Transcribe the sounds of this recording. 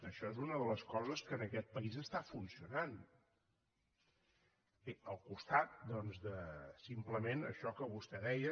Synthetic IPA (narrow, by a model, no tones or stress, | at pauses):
əʃɔezunəðələskɔzəskəːnəkɛt̪̚pəizəst̪afunsiunan | eəlˠkust̪at̪̚d̪ɔnzd̪əsimpləmenə̰ʃɔkəβust̪ɛðɛjə